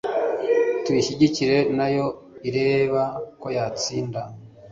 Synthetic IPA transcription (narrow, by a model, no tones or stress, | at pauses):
twiʃiɟiciɾe̞najo̞ | iɾe̞ːβako̞jaːt͡siːnda